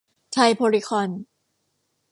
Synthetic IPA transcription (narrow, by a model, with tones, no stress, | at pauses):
t͡ɕʰa˧jpʰoː˧ɾi˦kʰɔː˧n